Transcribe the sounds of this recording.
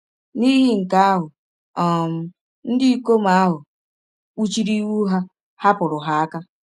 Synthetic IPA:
niː˦ɦi˦ŋ̩˨ka˦a˦ɦʊ˨ | ɔ˨m̩˨ | n̩˦di˦i˦ko˦ma˦a˦ɦʊ˨ | k͡pu˦t͡ʃi˦ɾi˦wu˦ɦa˦ | ha˦pʊ˨ɾʊ˨ɦa˦a˦ka˦

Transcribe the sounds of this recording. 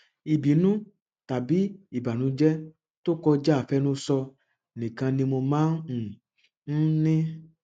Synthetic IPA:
i˨bi˨˦nũ˦ | ta˨bi˨˦i˦˨ba˨nũ˨˧˦d͡ʒɛ˦ | to˦kɔ˧d͡ʒa˦a˦˨fɛ˦nũ˦sɔ˧˨ | nĩ˨kã˧nĩ˧mo˧mãː˦n̩˨ | n̩˦nĩ˦

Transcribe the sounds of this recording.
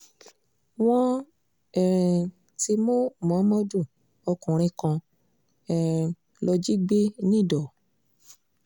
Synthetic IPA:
w̃ɔ̃˦ | ɛ˨ɾ̃ɛ̃˨ | ti˧mõ˦˨mɔ̃˨˦mɔ̃˦d͡ʒu˦˨ | ɔ˧kũ˨ɾ̃ĩ˧kã˧ | ɛ˧˨ɛ̃˨ | lɔ˧d͡ʒi˦ɡ͡be˦nĩ˦˨dɔ˨

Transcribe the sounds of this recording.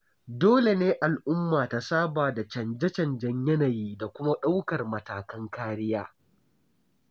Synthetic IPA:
doː˦le˨neː˦ʔa˨lʔʊ˦mːaː˨ta˦saː˦baː˨da˨t͡ʃɐ˨nd͡ʒɛ˦t͡ʃɐ˨nd͡ʒɐ˦ɲjɐ˦na˨jiː˦da˨kʷʊ˦ma˦ɗa˦wkɐ˨rmɐ˨taː˨kɐ˦ŋkaː˦ɽɪ˦jaː˦

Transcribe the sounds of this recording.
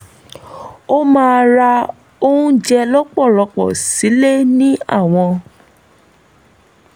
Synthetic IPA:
o˦mãː˦˧ɾa˧ | o˦ũ˦d͡ʒɛ˧lɔ˦k͡pɔ˦˨lɔ˧k͡pɔ̰˨si˨˦le˦nĩ˦a̰˦˨w̃ɔ̃˧

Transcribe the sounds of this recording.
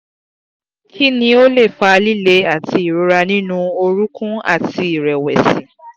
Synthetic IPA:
kʰi˦nĩ˧˦o˦le˦˨fa˧li˦le˦a˦˨ti˨˧i˨ɾu˧ɾa˧nĩ˦nũ˧o˧ɾu˦kũ˦a̰˦˨ti˧i˨ɾɛ˨wɛ̰˨sĩ˨˦

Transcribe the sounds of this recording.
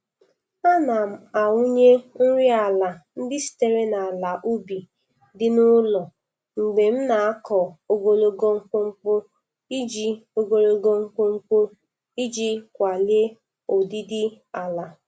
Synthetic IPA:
a˦na˨m̩˨a˨wu˦ɲe˦ŋ̩˦ɾi˦a˨la˨n̩˦dɪ˦si̥˨te˦ɾe˦na˨la˨ʔu˦bi˨ | dɪ˦nʊ˦lɔ˨ | ŋ͡m̩˨ɡ͡be˨m̩˦na˨a˦kɔ˨o˦ɡo˨lo˨ɡo˦ŋ͡m̩˦k͡po˦ŋ͡m̩˦k͡po˦ | i˦d͡ʒi˦o˦ɡo˨lo˦ɡo˦ŋ͡m̩˦k͡po˦ŋ͡m̩˦k͡po˦ | i˦d͡ʒi˦kʷa˨li˦e˦ | o˨di˦dɪ˦ | a˨la˨

